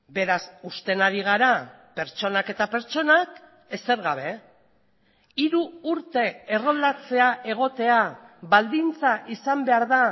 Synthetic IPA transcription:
be̞ɾasust̪e̞naɾiɣ̞aɾa | pe̞ɾt͡ʃo̞nake̞t̪ape̞ɾt͡ʃo̞nak | e̞seɾɣaβ̞e̞ | iɾuːɾt̪e̞ːro̞ld̪at͡se̞aʔe̞ɣ̞o̞t̪e̞aβald̪int͡saʔisambe̞aɾða

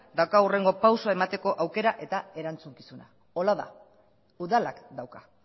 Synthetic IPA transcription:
d̪awkaure̞ŋɡo̞pawsoae̞mat̪e̞ko̞ʔawke̞ɾaʔe̞t̪ae̞ɾant͡suŋkisuna | o̞laða̰ | uðalakd̪awka

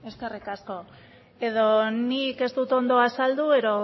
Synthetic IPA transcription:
e̞skerikasko̞ | e̞ð̞o̞nike̞st̪ut̪o̞nd̪o̞asald̪ue̞ðo̞

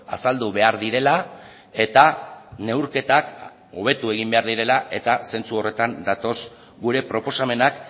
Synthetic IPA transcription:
a̰sald̪uβe̞aɾðiɾe̞la | e̞t̪ane̞wɾke̞t̪ak | o̞β̞e̞t̪ue̞ɣ̞imbe̞aɾðiɾe̞laʔe̞t̪ase̞nt͡suo̞re̞t̪and̪at̪o̞s | ɡuɾe̞pɾo̞po̞same̞nak

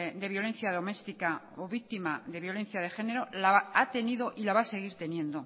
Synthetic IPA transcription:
d̪e̞βjo̞le̞n̟θjaðo̞me̞st̪ika | oβik̚t̪imaðe̞βjo̞le̞n̟θjað̞e̞xe̞ne̞ɾo̞laat̪e̞niðo̞ʔilaβase̞ɣ̞iɾt̪e̞njẽ̞nd̪o

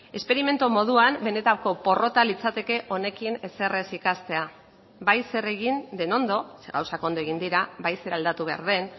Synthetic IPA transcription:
e̞spe̞ɾime̞nt̪umo̞ð̞uambe̞ne̞t̪ako̞po̞ro̞t̪alit͡sat̪e̞ke̞ʔo̞ne̞kine̞se̞re̞sikast̪e̞a | bajse̞re̞ɣind̪e̞no̞nd̪o̞seɣawsako̞nd̪oeɣ̞ind̪iɾabajse̞ɾald̪at̪uβ̞e̞a̰ɾð̞e̞n

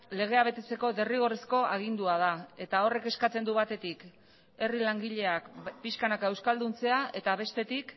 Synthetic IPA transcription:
le̞ɣ̞e̞aβe̞t̪e̞t͡se̞ko̞d̪e̞riɣ̞o̞resko̞aɣ̞ind̪uað̞ae̞t̪ao̞re̞ke̞skat͡se̞nd̪uβat̪e̞t̪ik | e̞rilaŋɡiʎe̞akpiʃkanakae̞wskald̪unt͡se̞aʔe̞t̪aβ̞e̞st̪e̞t̪ik

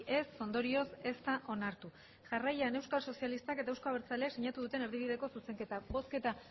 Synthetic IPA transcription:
e̞sːo̞nd̪o̞ɾio̞se̞st̪aʔo̞naɾt̪u | ʝarajane̞wskalso̞sialist̪ake̞t̪aewsko̞aβeɾt͡saleakseɲat̪uðut̪e̞ne̞ɾðiβið̞e̞ko̞suse̞ŋke̞t̪aβo̞ske̞t̪a

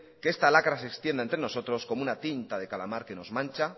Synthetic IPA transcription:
keest̪alakɾase̞kst̪je̞nd̪aent̪ɾe̞no̞so̞t̪ɾo̞sko̞mounat̪int̪aðe̞kalamaɾke̞no̞zmãnt͡ʃa

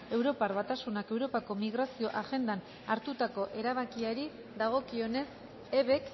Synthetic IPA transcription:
e̞wɾo̞parβat̪asunake̞wɾo̞pako̞miɣɾasio̞ʔaɣe̞nd̪an | aɾt̪ut̪ako̞ʔe̞ɾaβ̞akiaɾi | ðaɣ̞o̞kio̞ne̞s | e̞βe̞k

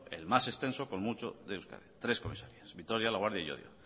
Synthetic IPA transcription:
ḛlmase̞st̪e̞nso̞konmut͡ʃo̰ðeuska̰ðet̪ɾe̞sko̞mḭsaɾiasbit̪oɾjalaɣwaɾðjaio̰ðjo̰

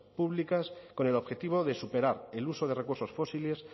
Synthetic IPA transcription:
puβlikasko̞ne̞lo̞βxe̞t̪iβ̞o̞ðe̞supe̞ɾaɾe̞luso̞ðe̞re̞kuɾso̞sfo̞sile̞s

